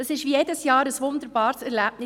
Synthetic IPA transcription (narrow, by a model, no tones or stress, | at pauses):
əsɪʃʋijedəsjɑːɾəsʋʊnd̪əɾbɑːɾsɛɾlæb̥nɪ